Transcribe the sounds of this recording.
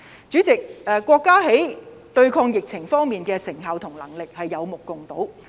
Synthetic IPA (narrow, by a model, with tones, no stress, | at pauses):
t͡syː˨˥t͡sɪ˨k̚ʔɛː˨kːʷɔː˧kːaː˥ɦe˨˥j | t̪ɵ˧ɥkʰɔː˧ŋjɪ˨k̚t͡sʰɪ˨˩ŋfɔː˥ŋmiː˨nkɛː˧sɪ˨˩ŋɦɐ˨wt̪ʰʊ˨˩ŋlɐ˨˩ŋlɪ˨k̚hɐ˨jːɐ˨˧wmʊ˨kːʊ˨ŋt̪o˨˥w